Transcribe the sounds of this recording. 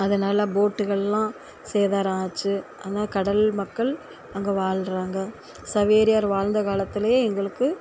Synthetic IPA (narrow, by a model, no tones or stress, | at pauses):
ɐðɐnaːlɐboːʈːɯɣɐɭlãː | seːðaːɾãːt͡ʃːɯʔɐðɐnaːkɐɽɐlmɐkːɐɭ | ɐŋɡɐʋaːɻɾaːŋɡɐ | sɐʋeːɾɪjaːɾʋaːɻnd̪ɐkaːlɐt̪ːɪlɐjeːɛŋɡɐɭɯkːɯ